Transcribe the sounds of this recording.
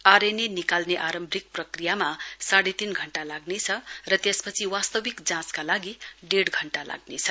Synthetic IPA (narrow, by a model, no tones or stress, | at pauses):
aɾenenikalneʔaɾʌmbʱrik̚prʌkrijamasaɽet̪inɡʱʌɳʈalaɡnet͡sʰʌrʌt̪espʌt͡sʰiwast̪ʌwikd͡zãskalaɡiɖeɽɡʱʌɳʈala̰ɡnet͡sʰʌ